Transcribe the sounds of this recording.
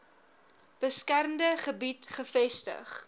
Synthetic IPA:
b̥əskærmdəχəbitχəfɛstə̰χ

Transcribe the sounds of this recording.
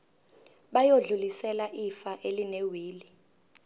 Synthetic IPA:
ɓajoɮulisɛlaʔifaʔelinewiːli

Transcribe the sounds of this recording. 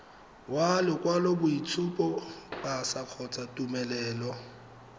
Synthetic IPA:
walɪkʼwalɔbʊit͡sʰupʼɔbasaq͡χʰɔt͡sʼatʼumɛlɛːlɔ

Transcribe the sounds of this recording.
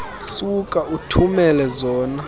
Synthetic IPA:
sukʼautʰumɛlɛzɔːna

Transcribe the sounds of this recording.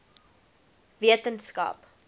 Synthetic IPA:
viətənskɐ̰p

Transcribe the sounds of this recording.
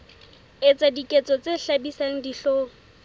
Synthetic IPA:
et͡sʼadikʼet͡sʼɔt͡sʼeɬabisaŋ̩diɬoːŋ̩

